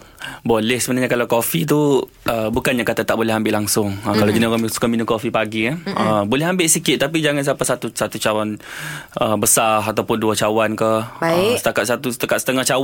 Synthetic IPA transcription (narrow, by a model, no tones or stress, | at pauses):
bolɛhsəbənaɲakalawkofit̪̬u | əbukanɲakat̪at̪aʔbolɛɦambɪʔlaŋsʊŋəkalad͡ʒənakamisu̥kaminũkofipaɡiaəbolɛɦambɪʔsikɪt̪̚ːap̬id͡ʒaŋansapasat̪usat̪ut͡ʃawan | əbəsaɦat̪awpʊnduat͡ʃawankəhasə̥t̪akat̪̚sat̪usət̪akat̪sə̥t̪əŋaht͡ʃaw